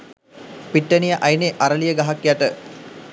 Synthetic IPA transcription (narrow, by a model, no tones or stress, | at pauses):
piʈːənijəʔajneʔaɾəlijəɡaɦakjaʈə